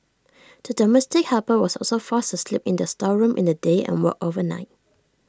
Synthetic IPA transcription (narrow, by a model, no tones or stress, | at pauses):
d̥ədɔmɛstɪk̚hapəwɔsɔ̰lsofastuslipɪ̃ndəstɔɹũmʔḭ̃ndədeɛ̰̃nwɔ̰kovəna̰ɪt̚